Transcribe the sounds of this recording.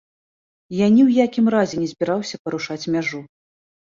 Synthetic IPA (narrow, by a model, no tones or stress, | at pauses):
janʲiwjakʲimɾazʲɛnʲɛzʲbʲiɾawsʲɐpɐɾuʂat͡sʲmʲaʐu